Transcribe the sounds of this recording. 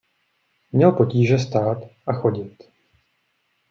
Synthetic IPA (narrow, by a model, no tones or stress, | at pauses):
mɲɛlpo̞ciːʒɛst̪aːt̪ʔaxo̞ɟɪt̪